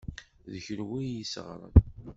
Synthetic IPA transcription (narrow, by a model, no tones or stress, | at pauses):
ðəçəɾwijisəʁɾˤə̰n